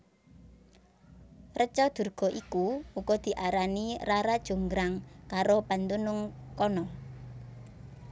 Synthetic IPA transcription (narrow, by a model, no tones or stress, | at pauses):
rət͡ʃɔd̪̥ṳrɡ̥ɔ̤ʔikuuɡ̥ɔd̪̥i̤ʔaɾaniraɾad̥ʒ̥ṳŋɡɾaŋkaɾopant̪unʊŋkɔnɔ